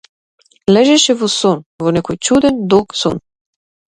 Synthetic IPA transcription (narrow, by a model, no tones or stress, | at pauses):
lɛʒɛʃɛvosonvonɛkojt͡ʃud̪ɛnd̪okso̰n